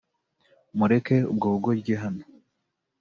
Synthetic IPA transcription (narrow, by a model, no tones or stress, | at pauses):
muɾekeṵbɡoːɡobɡeɦano